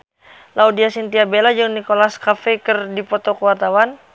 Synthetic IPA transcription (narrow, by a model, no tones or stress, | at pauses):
laudiasint̪iabelad͡ʒɨŋnikolaskafɛkɨrdipɔt̪ɔkəwart̪awan